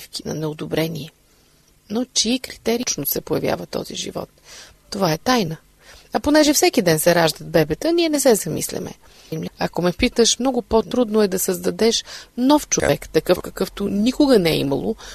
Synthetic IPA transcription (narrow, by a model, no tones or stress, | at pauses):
fki̥nɐ̰nɛod̪obɾɛniɛ | not͡ʃiikɾit̪ɛɾit͡ʃnosɛpojɐvja̰vət̪ɔ̰zḭʒḭvɔ̰t̪ː | ovaɛt̪ajnə | ɐponɛʒɛfsɛkid̪ɛnsɛɾaʒd̪əd̪̚bɛbɛt̪əniɛnɛsɛzɐmḭslʲɛ̰mɛ̰ | mlʲɐkomɛpit̪əʃmnɔɡʊpot̪ɾud̪nʊɛd̪ɐsəzd̪ɐd̪ɛʃnɔft͡ʃʊfɛkt̪ːɐkɤfkɐkɤft̪ʊnikʊɡənɛḭmɐ̰lˠo̰